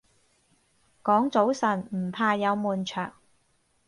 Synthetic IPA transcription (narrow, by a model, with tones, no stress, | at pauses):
kɔː˨˥ŋt͡so˨˥wsɐ˨˩nm̩˨˩pʰaː˧jɐ˨˧wmuː˨nt͡ʃʰœ̰ː˨˩ŋ